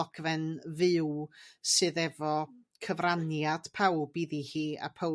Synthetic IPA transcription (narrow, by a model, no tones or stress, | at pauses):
ɔkvɛnvɪwsɨðɛvɔ | kʰəvranjad̥pʰawbiðihiːa̰pʰə